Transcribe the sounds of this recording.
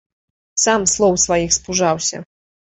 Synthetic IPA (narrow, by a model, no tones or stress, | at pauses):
samslˠɔwsvajixspuʐawsʲɐ̰